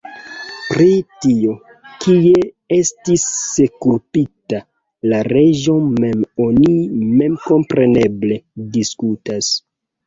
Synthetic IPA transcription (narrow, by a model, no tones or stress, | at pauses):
pɾitio̞ | kie | e̞stisːe̞kupita | laɾe̞ʒo̞me̞mo̞nime̞mko̞mpɾe̞ne̞ble̞diskutas